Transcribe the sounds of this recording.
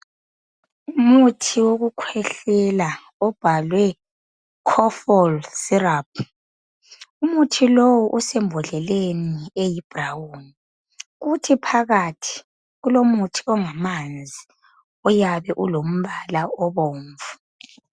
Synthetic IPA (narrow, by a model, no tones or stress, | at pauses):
umutʰiwoɣukʰwɛɬɛla | ɔb̥ʱalwɛ | kʰɔfɔlsirapʰ | umutʰilowuʔusɛmbʱɔɮɛleniejib̥ʱrawuni | ɣutʰipʰaɣatʰi̥ | ɣulomutʰi̥ɔŋamand͡zʱi | ɔjaβɛʔulom̩βalaɔβoːɱvu